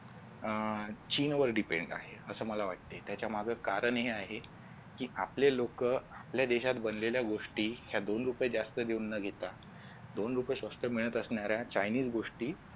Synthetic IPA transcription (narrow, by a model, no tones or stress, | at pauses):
t͡ɕiːnʋəɾɖipḛɳɖa̰ɦeəsəːməlaʋaʈ̚t̪et̪jat͡ɕjam̤aɡʱəkaɾəɳɦeaɦe | kiːʔaplelokəapljad̪eɕat̪bənleljaɡoʂʈiːɦjad̪onɾupjed͡zast̪əd̪eunːəɡʱet̪a | d̪onɾupjeɕʋəst̪ʰəmiɭ̃ət̪əsɳjaɾjat͡ɕajniːd͡zɡoʂʈiː